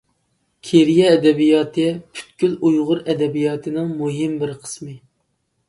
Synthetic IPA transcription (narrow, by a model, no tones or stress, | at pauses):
kʲʰeɾijɛːd̪ɛbijɑːt̪ʰɨpʰy̥t̪kʲylujʁʊɾɛd̪ɛbijɑːt̪ʰɨnɨŋmuɦɪmbɪɾqʰə̥smɨ